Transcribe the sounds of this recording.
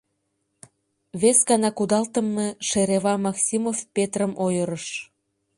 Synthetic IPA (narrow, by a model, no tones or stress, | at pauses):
βesɡɑnɑkud̪ɑlt̪ə̆mːeʃeɾeβɑmɑksʲimofpet̪rəmojəɾəʃ